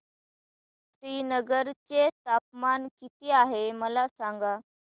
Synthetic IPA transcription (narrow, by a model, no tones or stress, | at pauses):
sɾiːnəɡəɾt͡set̪ap̚mankit̪iaɦeməlasaŋɡa